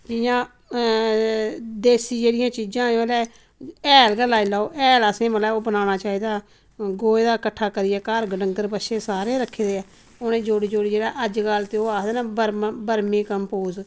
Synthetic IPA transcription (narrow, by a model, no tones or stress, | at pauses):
d͡ʒɪjãː | d̪eːsiːd͡ʒeːɽɪjãːt͡ʃiːd͡ʒãːlɛː | ɛːlɡəlaːilaːoːʔɛːləsẽːməlɛːoːbənaːnaːt͡ʃaːiːd̪aː | ɡoːeːd̪aːkəʈʰːaːkəɾijɛːkaːɾɡəɖəŋɡ̪əɾbəʃeːsaːɾeːɾəkʰːeːd̪eː | oːnẽːd͡ʒoːɽiːd͡ʒoːɽiːd͡ʒeːɽaːʔəd͡ʒɡəlt̪eoːaːkd̪ɛːnaːbəɾmbəɾmẽːkəmpoːz